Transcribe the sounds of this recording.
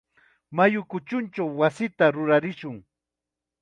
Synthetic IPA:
majʊkʊt͡ʃʊnt͡ʃawːasɪt̪aɾʊɾaɾɪʃʊŋ

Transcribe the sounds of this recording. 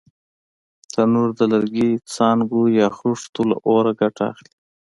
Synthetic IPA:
t̪anuɾd̪əlaɾɡit͡sɑːnɡujɑxɾuʂt̪ula̰ʔoɾaɡaʈɑ̰xli

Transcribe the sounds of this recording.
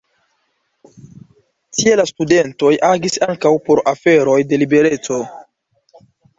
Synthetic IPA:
tielastude̞nto̞jaɡisaŋkawpo̞ɾafe̞ɾo̞jde̞libe̞ɾe̞t͡so̞

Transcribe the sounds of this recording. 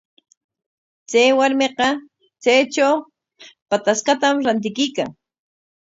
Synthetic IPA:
t͡sajwaɾmeqɑ | t͡sajt͡ʃaw | pat̪asqɑt̪amɾant̪̬ɪkɪjkaŋ

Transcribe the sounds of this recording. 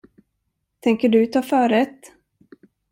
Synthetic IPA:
t̪ʰɛŋkəɖɵt̪ʰɑːfœːɾɛt̪

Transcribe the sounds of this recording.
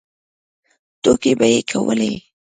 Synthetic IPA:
t̪okebajekʰawə̰le

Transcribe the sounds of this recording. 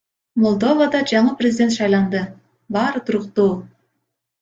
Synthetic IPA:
molˠd̪o̞vad̪ɑd͡ʒɑɴɯprʲɪzʲɪdʲe̞nt̪ʃɑjlˠɑnd̪ɯ | bɑːɾɯt̪ʰuɾuqt̪uː

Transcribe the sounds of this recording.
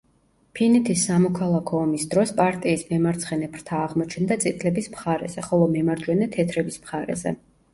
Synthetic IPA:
pʰinɛt̪ʰisːamɔkʰalˠakʰɔːmisd̪ɾɔspʼaɾt̪ʼiːsmɛmaɾt̪sʰχɛnɛpʰɾt̪ʰaːʁmɔt͡ʃʰnd̪at̪sʼit̪ʰlɛbismχaɾɛ̰z̥ɛχɔlˠɔmɛmaɾd͡ʒwɛnɛt̪ʰɛt̪ʰɾɛbismχaɾɛ̰zɛ̰

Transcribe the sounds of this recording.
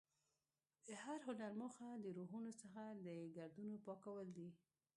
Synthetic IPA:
d̪̥əhaɾɦʊnaɾməxad̪əɾoɦunosəxad̪əɡaɾd̪unopɑkawəld̪i

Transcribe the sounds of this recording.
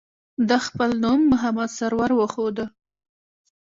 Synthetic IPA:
d̪əxpəlnumːʊɦamad̪saɾwaɾwəxod̪ə

